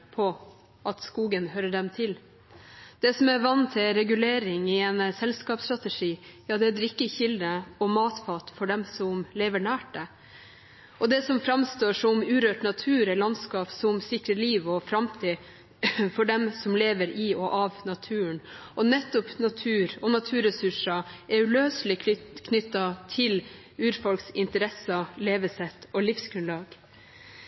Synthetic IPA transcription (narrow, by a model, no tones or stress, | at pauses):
pʰɔ | ʔɑt̪skuːɡənhøɾəɖɛmt̪ʰɪl | d̪̥ɛsɔmæɾʋɑnːt̪ʰɪlɾɛɡʉleːɾɪŋɪɛnsɛlskɑːpst̪ɾɑt̪əʂiːjɑːd̪ɛæd̪ɾɪkːəçɪld̪əɔmɑːt̪fɑːt̪fɔɖɛmsɔmleːʋəɳæːʈə | ʔɔd̪ɛsɔmfɾɑmst̪oːʂɔmʉːɾøːʈnɑt̪ʰʉːɾɛlɑnskɑːpsɔmsɪkɾəliːʋɔfɾɑmt̪ʰiː | fɔɖɛmsɔmleːʋəɾɪɔʔɑʋnɑt̪ʰʉːəɳʔɔnɛt̪ːɔpnɑt̪ʰʉːɾɔnɑt̪ʰʉːɾɛsʉʂɑʔɛʉløːslɪkʰnʏt̪ːɑt̪ʰɪl | ʉːɾfɔlksɪnt̪əɾɛsɑleːʋəsɛt̪ːɔlɪfsɡɾʉnlɑːɡ